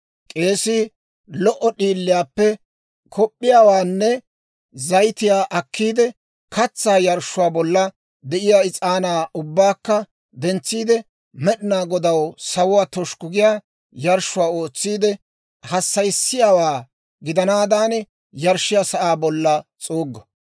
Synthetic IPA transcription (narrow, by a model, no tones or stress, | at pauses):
kʼe̞ːsiː | lɔʔɔɗiːlːɪjaːpːɛ | kʰɔpʼːɪjaːwaːnːɛ | zɐjt̪ɪjaːʔɐkʰːiːd̪ɛ | kʰɐt͡sːaːjɐɾʃːʊwaːbɔlːɐ | d̪ɛʔɪjaːɪt͡sʼaːnaːʊbːaːkːɐ | d̪ɛnt͡sːiːd̪ɛ | mɛɗɪnaːɡɔd̪ɐwsɐwʊwaːt̪ɔʃkʊɡɪjaː | jɐɾʃʊwaːoːt͡sːiːd̪ɛ | hɐsːɐjsːɪjaːwaː | ɡɪd̪ɐnaːd̪aːn | jɐɾʃɪjasɐʔaːbɔlːɐt͡sʼoːɡːɐ